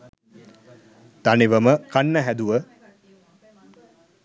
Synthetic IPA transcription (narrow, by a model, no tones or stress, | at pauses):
t̪aniʋəməkanːəɦæd̪uʋə